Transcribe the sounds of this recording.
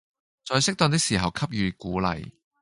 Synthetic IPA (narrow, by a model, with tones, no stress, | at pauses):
t͡sɔː˧jsɪ˥k̚t̪ɔː˧ŋt̪̬ɪ˥k̚siː˨˩ɦɐ˨˩wkʰɐ˥p̚jyː˨˧kuː˨˥lɐ̰˨j